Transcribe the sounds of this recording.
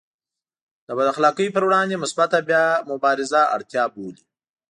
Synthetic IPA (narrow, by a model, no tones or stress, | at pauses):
d̪̥əbad̪axlɑkəjpəɾwɽɑnd̪emʊsbat̪abjɑmʊbɑɾɪzaa̰ɽt̪jɑboli